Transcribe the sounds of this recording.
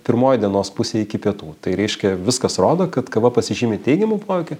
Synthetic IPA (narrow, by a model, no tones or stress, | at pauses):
pʲɪɾmoːjd̪ʲiɛnoːspʊsʲeːɪkʲɪpʲiɛt̪uːt̪ɐɪɾʲɛɪʃʲkʲɛʋʲɪskɐsroːd̪oːkɐt̪kɐʋɐpɐsʲɪʒʲiːmʲɪt̪ʲɛɪɡʲɛmuːpoːʋʲɪkʲʊ